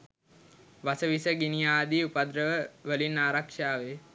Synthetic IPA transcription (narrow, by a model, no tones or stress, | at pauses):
ʋasəʋisəɡinijaːd̪iːupad̪ɾəʋəʋəlinːaːɾakʂaːʋe